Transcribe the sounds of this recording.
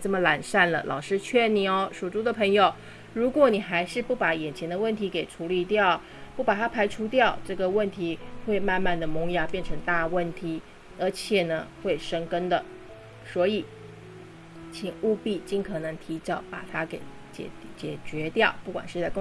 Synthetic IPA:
t͡sɤ˥˩mə˩la˨˩nʂa˥˩nlə̰˩lʔɑ̰˨˩ʊʂɻ̩˥t͡ɕʰɥɛ˥˩ni˧˥o˧˩ʊʂu˨˩ʈ͡ʂu˥d̪ə˨pʰɤ˧˥ŋjo˨˧ʊ | ɻu˧˥kwɔ˧˥ni˨˩xa˧˥ɪʂɻ̩˥˧pu˥˩pa˧˥jɛ˨˩nt͡ɕʰjɛ˧˥nd̪ə˧wə˥˩nt̪ʰi˧˥ke˨˩ɪʈ͡ʂʰu˧˥li˧˥t̪jɑ˥˩ʊ | pu˥˩pa˨˩t̪ʰa˥pʰa˧˥ɪʈ͡ʂʰu˥t̪jɑ˥˧ʊʈ͡ʂɤ˥˩ɡə˩wə˥˩nt̪ʰi˧˥xwe˥˧ɪma˥˧nma˥˩nd̪ə˩mʊ˧˥ŋja˥˩pjɛ˥˩nʈ͡ʂʰɤ˧˥ŋt̪a˥˧wə˥˩nt̪ʰi˧˥ | ə˞˧˥t͡ɕʰjɛ˨˩nə˩xwe˥˩ɪʂɤ˥ŋkə˥nd̪ə˨ | swɔ˧˥i˨˩˦ | t͡ɕʰi˨˩ŋu˥˧pi˥˧t͡ɕi˥˩ŋkʰɤ˨˩nɤ˧˥ŋt̪ʰi˧˥t͡ɕɑ˥˩ʊpa̰˨˩t̪ʰa˥ke˧˥ɪ | t͡ɕɛ̰˨˩t͡ɕjɛ˨˩t͡ɕɥɛ˧˥t̪jɑ˥˩ʊpu˥˩kwa̰˨˩nʂɻ̩˥˧t͡sa˥˧ɪkʊ˥

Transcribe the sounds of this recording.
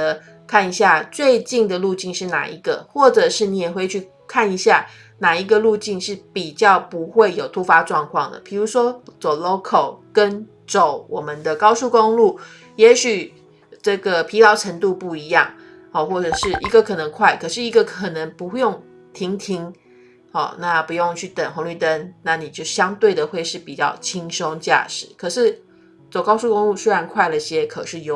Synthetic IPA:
ə˦ | kʰa˥˩ni˧˥ɕja˥˧t͡swe˥˧ɪt͡ɕi˥˩ŋd̪ə˩lu˥˧t͡ɕi˥˧nʂɻ̩˥˩na̰˨˩ḭ˧˥ɡə̰˨xwɔ˥˩ʈ͡ʂɤ˨˩ʂɻ̩˥˩ni˧˥jɛ˨˩xwe˥˧ɪt͡ɕʰy˥˧ | kʰa˥˩ni˧˥ɕja˥˩ | na˨˩i˧˥ɡə˧lu˥˧t͡ɕi˥˧nʂɻ̩˥˩pi˨˩t͡ɕjɑ˥˩ʊpu˧˦˥xwe˥˩ɪjo˨˩ʊt̪ʰu˥fa˥ʈ͡ʂwɑ˥˧ŋkʰwɑ˥˩ŋd̪ə̰˩pʰi˨˩ɻu˧˥ʂwɔ˥t͡so˨˩ʊlo˥ʊkʰo˨˩ʊkə˦n | ʈ͡ʂo˨˩ʊwɔ˨˩mə˦nd̪ə˧˨kɑ˥ʊsu˥˩ko˥ŋlu˥˩ | jɛ˧˥ɕy˨˩ | ʈ͡ʂɤ˥˩ɡə˩pʰi˧˥t̪ɑ˧˥ʊʈ͡ʂʰə˧˥ŋt̪u˥˧pu˥˩i˧˥˦jɑ̰˥˩ŋ | ɔ˥˧˩xwɔ˥˩ʈ͡ʂɤ˨˩ʂɻ̩˥˩ʔi˧˥ɡə˧kʰɤ˨˩nə˧˥ŋkʰwa˥˩ɪkʰɤ˨˩ʂɻ̩˥˩i˧˥ɡə˧kʰɤ˨˩nə˧˥ŋpu˧˥xjo˥˩ŋ | t̪ʰi˧˥ŋt̪ʰi˥ŋ | ɔ̰˥˧˩na˥˩pu˧˥jo˥˧ŋt͡ɕʰy˥˩t̪ə˨˩ŋxʊ˧˥ŋly˥˩t̪ə˦nna˥˩ni˨˩t͡ɕjo˥˩ʊ˩ɕjɑ˥ŋt̪we˥˩ɪd̪ə˩xwe˥˧ɪʂɻ̩˥˩pi˨˩t͡ɕjɑ̰˥˩ʊt͡ɕʰi˥ŋʂo˥ŋt͡ɕja̰˥˧ʂɻ̩˨˩˦kʰə˨˩ʂɻ̩˥˩ | t͡so˨˩ʊkɑ˥ʊsu˥˩kʊ˥ŋlu˥˧˩swe˥ɪɻa˧˥nkʰwa˥˩ɪlə˩i˥˧˩ɕjɛ˥kʰɤ˨˩ʂɻ̩˥˧jo˥˨

